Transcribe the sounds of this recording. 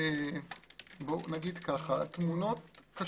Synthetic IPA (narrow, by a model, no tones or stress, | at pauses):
e | bonaɡid̪kaχat̪muno̞t̪̚ka